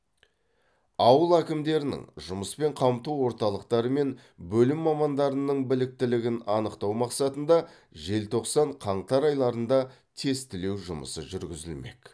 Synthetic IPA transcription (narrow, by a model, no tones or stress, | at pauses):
ɑwəlˠækʲɪmd̪e̞ɾɪnɪ̰ŋʒʊməspe̞ɴqʰɑmt̪uwo̞ɾt̪ɑlˠəqt̪ɑɾəme̞n | bɵlɪmːɑmɑnd̪ɑɾənːəɴbɪlɪk̚t̪ɪlɪɡʲɪnɑnəqt̪ɑwmɑqsɑt̪ənd̪ɑ | ʒe̞lt̪ʰo̞qsɑɴqʰɑɴt̪ɑɾɑjlˠɑɾənd̪ɑ | t̪ʰe̞st̪ɪle̞wʒʊmə̰səʒʏɾɡʲɪzɪlme̞k